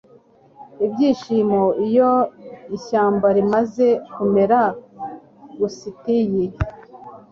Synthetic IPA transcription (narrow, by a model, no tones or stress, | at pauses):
ibɟiːʃimoijoiçaːmbaɾimaze̞kume̞ɾa | ɡusitiji